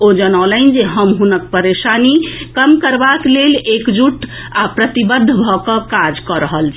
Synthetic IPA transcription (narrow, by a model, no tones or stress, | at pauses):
od͡ʒənalənd͡ʒeɦəmɦunək̚pəɾesanikəmkəɾbaklelekd͡ʒuʈ | apɾət̪ibəd̪ʱːbʱɔkəkad͡ʒkəɾəɦəlt͡ʃʰɛ